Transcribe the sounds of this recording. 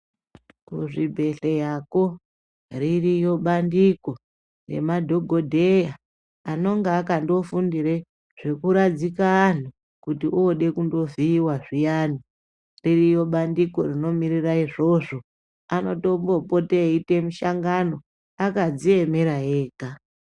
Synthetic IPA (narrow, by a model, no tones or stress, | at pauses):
kṵʐibʱe̞ɬe̞jako̞ | ririjo̞ɓandiko̞ | re̞̰madʱo̞ɡʱo̞dʱejaː | no̞ŋɡeːkando̞fundiɾe | ʐ̥e̞kuɾad͡zikaːn̤u | kutiʔuoɗe̞kundo̞viːwaʐijani | ririjo̞ɓandiko̞rino̞miɾiraiʐo̞ʐo̞ | ano̞to̞mbo̞poteite̞muʃaŋɡano̞ | akad͡zie̞me̞ɾaɦeːka